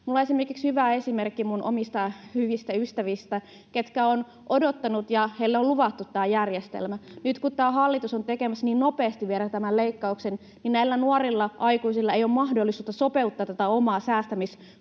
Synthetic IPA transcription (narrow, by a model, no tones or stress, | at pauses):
mulːɑesimerkikshyʋæesimerkːimunʔo̰mist̪ɑhyʋist̪æyst̪æʋist̪æ | ket̪kæon | ʔodot̪ːɑnut̪jɑheilːeoluʋɑt̪ːut̪ːæːjærjest̪ḛlmænyt̪kut̪t̪æːhɑlːit̪usont̪ekemæsniːnnopeːst̪iʋielæt̪æmælleikːɑuksen | ninnæilːænuorilːɑʔɑikuisilːɑejoːmmɑhdolːˑisuːt̪ːɑsopeut̪ːɑːt̪ːæt̪æomɑːsæːst̪æmis